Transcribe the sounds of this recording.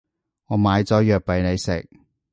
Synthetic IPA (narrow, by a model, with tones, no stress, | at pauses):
ŋɔː˨˧maː˨˧jt͡sɔː˨˥jœː˨k̚pɐ˨jne˨˧jsɪ̰˨k̚